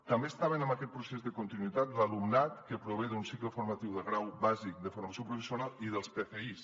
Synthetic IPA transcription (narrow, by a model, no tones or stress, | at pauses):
t̪ambeːst̪aβənəmbakɛt̪̚pɾusezðəkunt̪inwit̪at̪lalumnat̪kəpɾuβ̞eðunsikləfuɾmat̪iwðəɣɾawβazik̚d̪əfuɾmasiopɾufesiunalˠiðəlˠspeθeis